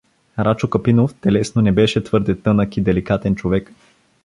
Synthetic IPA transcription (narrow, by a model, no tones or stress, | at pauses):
ɾʔat͡ʃokəpinoft̪ɛlɛsnonɛbɛʃɛt̪vɤɾd̪ɛt̪ɤnəkid̪ɛlikat̪ɛnt͡ʃovɛk